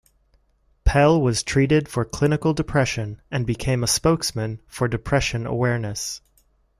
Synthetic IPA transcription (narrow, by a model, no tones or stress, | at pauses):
pʰɛlˠwʌz̥tʰɹ̥iɾɪd̥fə˞kʰl̥ɪ̃nɨkl̩ˠdɨpʰɹ̥ɛʃɨ̃nɨ̃nbɨkʰẽɪ̃məspoʊksmɨ̃nfə˞dɨpʰɹ̥ɛʃɨ̃nə̰wɛɹnɨs